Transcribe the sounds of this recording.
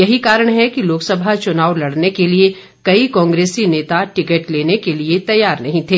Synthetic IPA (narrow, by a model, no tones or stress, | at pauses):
jɐɦikaːɾəɽ̃ɦɛkiloːksɐbʱat͡ʃʊnaːwlɐɽnekelie | kɐikɔ̃ːŋɡɾeːsineːt̪aʈɪkəʈleːnekeliet̪ɐjːaːɾnɐɦĩt̪ʰeː